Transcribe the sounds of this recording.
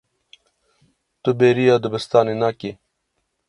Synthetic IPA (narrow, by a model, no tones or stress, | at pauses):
t̪ubeːɾijaːd̪ubɐst̪aːninaːki